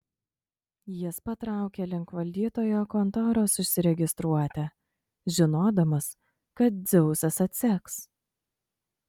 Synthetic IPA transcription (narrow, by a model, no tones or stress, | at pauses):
jɪspɐt̪ɾɑˑʊkʲeːlʲɪŋkʋɐlʲd̪ʲiːt̪oːjoːkɔnt̪ɔːɾoːsʊsʲɪɾʲɛɡʲɪst̪ɾuɔt̪ʲɛ | ʒʲɪnoːd̪ɐmɐs | kɐt̪̚d̪zʲɛʊsɐsɐt̪ʲsʲɛks